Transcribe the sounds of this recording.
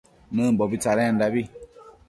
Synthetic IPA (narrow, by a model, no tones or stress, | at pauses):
nəbɔbit͡saɾɛ̃n̩dabi